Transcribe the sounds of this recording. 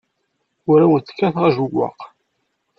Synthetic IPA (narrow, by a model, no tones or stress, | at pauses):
ʊɾawənθkːæθʁaʒuɡʷːɑ̰q